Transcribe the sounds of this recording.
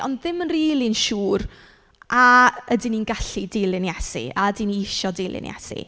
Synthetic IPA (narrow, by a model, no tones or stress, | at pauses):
ʔɔ̰ndðɪmənriːlˠinʃuːr | aədininɡaɬidɪlˠɪnjɛsḭaədiniɪʃɔdeːlˠɪ̰njɛ̰sḭ